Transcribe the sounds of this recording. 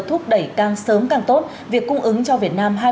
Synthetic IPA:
t̪ʰʊ˦˥k͡p̚ɗə˧˩jkaː˨˩ŋsəː˨˦mkaː˨˩ŋt̪o˦˥t̚ | vi˨˩əkːʊ˧ŋ͡mʔɨ˨˦ŋt͡ɕɔ˧vi˨˩ət̚naː˧mɦaː˧

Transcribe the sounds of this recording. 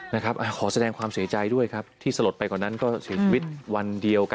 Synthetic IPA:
na˦˥kʰa˦˥p̚ʔaː˧˩kʰɔː˩˦sa˧dɛː˧ŋkʰwaː˧msi˩˦ɐt͡ɕa˧jdu˥˩əjkʰa˦˥p̚t̪ʰiː˥˩sa˧lo˨˩t̪̚pa˧jkɔː˨˩na˦˥nkɔː˥˩si˩˦t͡ɕʰiː˧wi˦˥t̪̚wa˧ndi˧əwk

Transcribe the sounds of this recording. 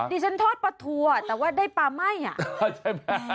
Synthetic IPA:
diː˧t͡ɕʰa˦˥nt̪ʰɔː˥˩t̪̚pa˧t̪ʰu˧a˨˩t̪ɛː˨˩waː˥˩daː˥˩jpaː˧ma˥˩ja̰˨˩ʔt͡ɕ

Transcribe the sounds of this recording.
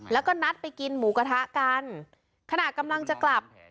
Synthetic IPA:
lɛː˦˥wkɔː˥˩na˦˥t̪̚pa˧jki˧nmuː˩˦ka˧t̪ʰa˦˥ʔkaː˧n | kʰa˧na˨˩ka˧mla˧ŋt͡ɕa˨˩kla˨˩p̚

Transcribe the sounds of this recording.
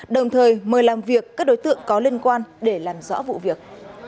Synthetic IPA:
ɗə˨˩wŋ͡mt̪ʰəː˨˩jməː˨˩jlaː˨˩mvi˨˩əkːaː˦˥k̚ɗo˨˦jt̪ɨ̰˧˨əŋkɔ˨˦li˧ənkwaː˧nɗe˧˩laː˨˩mzɔ̰˧˥vṵ˧˨vi˨˩ək̚

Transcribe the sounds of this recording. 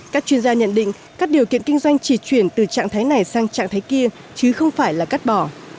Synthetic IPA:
kaː˦˥k̚t͡ɕwi˧ənzaː˧ɲə̰˧˨nɗḭ̈˧˨ŋ | kaː˦˥k̚ɗi˨˩əwkḭ˧˨ənŋki˧ŋ̟zwa˧jŋ̟t͡ɕi˧˩t͡ɕwi˧˩ənt̪ɨ˨˩t͡ɕa̰ː˧˨ŋt̪ʰaː˨˦jna˨˩jsaː˧ŋt͡ɕa̰ː˧˨ŋt̪aː˨˦jki˧ə | t͡ɕɨ˨˦xə˧wŋ͡mfaː˧˩jlaː˨˩ka˦˥t̚ɓɔ˧˩

